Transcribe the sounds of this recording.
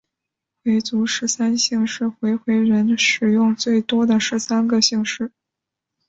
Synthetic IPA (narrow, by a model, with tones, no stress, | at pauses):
xwe˧˥ɪt͡su˧˥ʂɻ̩˧˥sa˥nɕi˥˧ŋʂɻ̩˥˩xwe˧˥ɪxwe˧˥ɪɻə˧˥nʂɻ̩˨˩jʊ˥˧ŋt͡swe˥˩ɪt̪wɔ˥d̪ə˨ʂɻ̩˧˥sa˥nɡə˨ɕi˥˧ŋʂɻ̩˥˩